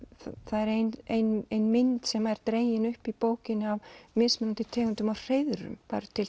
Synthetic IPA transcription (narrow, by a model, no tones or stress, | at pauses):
θaðɛɾejnejnejnmɪnt̪sɛmɛɾ̥t̪ɾeːjɪnʏhpipoːwcɪnɪavmɪsmɛnant̪ɪt̪ʰɛːɣʏnt̪ʏmawr̥ejðʏɾʏ̰mpa̰ɾʏt̪ʰɪl